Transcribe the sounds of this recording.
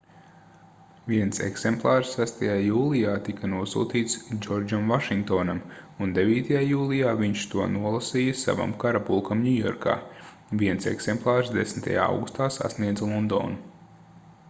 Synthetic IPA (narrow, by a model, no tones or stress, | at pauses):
viɛnsḛksɛmplˠɑːɾsːæst̪ajaːjuːlˠijaːt̪ikɐnuɔsṵːt̪iːt̪sd͡ʒɔɾd͡ʒamvaʃiŋk̚t̪oːnamund̪eviːt̪ajaːjuːlˠijaːviɲʃt̪uɔnuɔlˠasiːjɐsa̰va̰mkaɾapulˠkʰamnʲujɔ̰ɾkʰa̰ː | viɛnsɛ̰ksɛmplˠɑːɾsd̪esmit̪ʰa̰ja̰ːa̰wɡu̥st̪aːsa̰sniɛd̪zlˠɔnd̪o̰ːnu